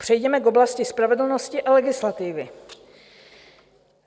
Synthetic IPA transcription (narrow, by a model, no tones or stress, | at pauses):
pr̥ɛjdɛmɛko̞blascɪspɾavɛdl̩no̞scɪʔalɛɡɪslat̪ɪvɪ